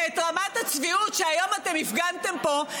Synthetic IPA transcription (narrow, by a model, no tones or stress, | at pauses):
et̪ʁamat̪hat͡sviutʃeajo̞mat̪e̞mifɡant̪e̞mpo̞